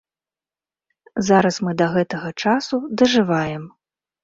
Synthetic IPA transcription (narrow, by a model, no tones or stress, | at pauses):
zaɾɐsmɨd̪ɐɣɛt̪ɐɣɐt͡ʂasud̪ɐʐɨvajɛm